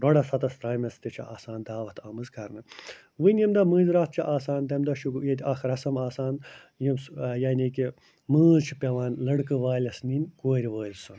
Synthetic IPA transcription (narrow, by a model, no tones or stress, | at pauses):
ɾoɽɐsɐt̪ɐst̪ɾaːjmɐst̪it͡ʃʰɐ̰ʔaːsaːnd̪aːʋɐt̪ʰaːmɨzkɐɾnɐ | ʋɨnʲjɐmd̪ɐmɨːzɾaːt̪̚t͡ʃʰɐʔaːsaːnd̪ɐmd̪ɐʃuɡujet̪ʲaxɾɐsɐmaːsaːn | jimsjanʲiki | mɨːzt͡ʃʰi̥pʲeʋaːnlɐɽkɨʋaːlʲɐsniːnkoːɾʲiʋəːlsɐn